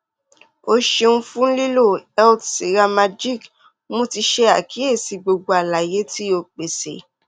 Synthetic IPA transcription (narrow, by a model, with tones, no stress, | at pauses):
o˧ʃe˧nũ˦fũ˦li˦lo˦˨ɛ˦ltse˨ɾa˧ma˧d͡ʒi˦˨k | mũ˦ti˧ʃe˦a̰˨ki˨˦e˦˨si˨˧ɡ͡bo˧ɡ͡bo˧a˨la˨je˨˦ti˦o˧k͡pe˨se˨